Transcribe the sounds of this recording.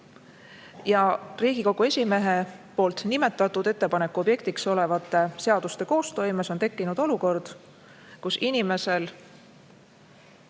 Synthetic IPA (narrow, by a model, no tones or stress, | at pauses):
jɑriːɡ̥iko̞ɡ̥ue̞sʲime̞ɦepo̞ːlt̪ˑnime̞t̪ːˑɑt̪ːˑud̪e̞t̪ːe̞pɑne̞kːuo̞bje̞kt̪ikso̞le̞vɑt̪ːˑe̞se̞ɑd̪̥ust̪e̞ko̞ːst̪o̞jmeso̞nt̪e̞kˑːinud̪̥o̞luko̞rd̪̥ | kusinime̞se̞l